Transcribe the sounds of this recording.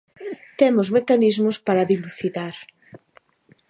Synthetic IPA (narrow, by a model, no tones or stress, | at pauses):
t̪emʊzmekanizmʊspaɾaðiluθiðaɾ